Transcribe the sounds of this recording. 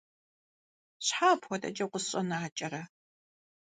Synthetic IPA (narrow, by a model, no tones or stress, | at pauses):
ɕħaːpʰxʷɔtʼɐ̰t͡ʃʼɐqʷʊsɕʼɐnaːt͡ʃʼɐɾɐ